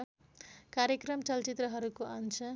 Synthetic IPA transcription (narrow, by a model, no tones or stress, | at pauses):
kaɾjekrʌmt͡sʌlt͡sit̪rʌɦʌɾukoant͡sʰʌ